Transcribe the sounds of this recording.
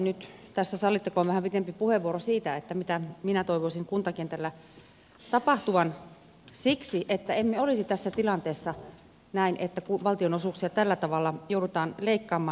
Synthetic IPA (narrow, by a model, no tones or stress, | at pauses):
nyt̪t̪æsːæsɑlːit̪ːekoːʋʋæhæmpit̪empipuheʋʋuoɾosiːt̪æet̪ːæmit̪æminæt̪oiʋoisiŋkunt̪ɑkent̪ælːæ | t̪ɑpɑht̪uʋɑn | siksiʔet̪ːæemmeolisit̪æsːæt̪ilɑnt̪eːsːɑ | næinʔet̪ːækuʋɑlt̪ionosuːˑksiɑt̪ælːæt̪ɑʋɑlːɑjoudut̪ɑːnleikːɑːmːɑː